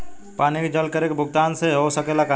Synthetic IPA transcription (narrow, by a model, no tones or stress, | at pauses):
paːniked͡ʒəlkəɾekebʱʊɡ̚t̪aːnseɦosəkelaka